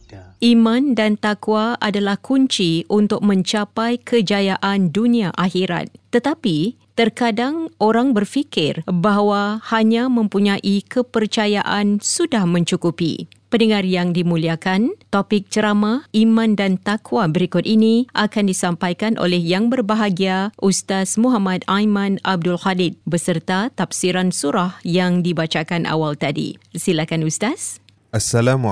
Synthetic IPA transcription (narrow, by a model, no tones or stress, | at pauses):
ʔimãndant̪akwaadalahkʰuɲt͡ʃiʔunt̪ʊk̚mə̃ɲt͡ʃapajkəd͡ʒajaʔandunĩaʔaɦiɾa̰t̪̚ːət̪api | t̪ərkadaŋʔoɾaŋbərfikɪrbaɦwahaɲãmə̃mpuɲãʔikəpərt͡ʃajaʔansudahmə̃ɲt͡ʃukupḭ | pənəŋarjaŋdimũliakant̪opɪk̚t͡ʃəɾamãimãndant̪akwabəɾikʊt̪̚iniʔakandisampajkanʔo̰lɛhjaŋbərbaɦaɡiaʔust̪asmuɦamat̪ajmãnab̚dʊlxadid̪̚bəsərt̪at̪afsiɾansuɾahjaŋdibat͡ʃakanʔa̰walt̪adḭsilakanust̪as | ʔasalam